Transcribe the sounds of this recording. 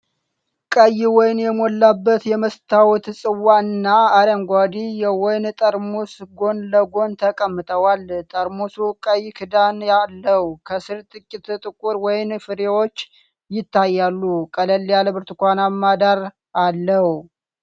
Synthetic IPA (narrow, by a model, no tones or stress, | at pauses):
kʼəjːɪwɔjnjɛmolːabːət̪jɛməst̪ʰawt̪sʼɨwːaɨnːaːɾəmɡʷad̪ijɛwɔjnt̪ʼəɾmosɡo̞nləɡo̞nt̪ʰəkʼəmːɨt̪ʼəwalt̪ʼəɾmosukʼəjːɪkʰɨd̪anjalːəhukʰəsɨɾt̪ʼɨkʼːɪt̪t̪ʼɨkʼuɾwɔjɪnfɨɾewo̞t͡ʃː | jɪt̪ʰːajːalːukʼələlːjaləbɨɾt̪kʷanamːad̪aɾ | alːəh